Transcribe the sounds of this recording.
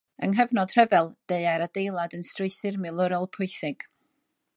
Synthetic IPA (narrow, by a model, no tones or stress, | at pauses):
ə̰nɦɛvnɔd̥r̥ɛvɛlˠd̥eɨaɾadejlˠadənstrʊɨθɨrmɪlˠʊɾɔlˠpʰʊɨθɪɡ̥